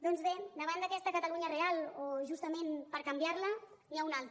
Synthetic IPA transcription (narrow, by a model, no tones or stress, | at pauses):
d̪ɔnzβed̪əβand̪əkɛst̪əkət̪əluɲərealˠoʒust̪əmenpəɾkəmbjaɾlə | jaunalˠt̪ɾ